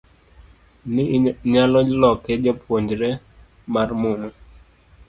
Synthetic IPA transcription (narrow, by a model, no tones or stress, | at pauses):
nɪɲalɔlɔked͡ʒapʰwoɲd͡ʒɾɛ | marmunu